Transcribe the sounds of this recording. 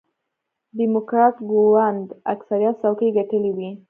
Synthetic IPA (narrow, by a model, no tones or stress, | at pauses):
ɖimʊkɾɑʈɡowand̪aksaɾijat̪sawkəjɡaʈəliwi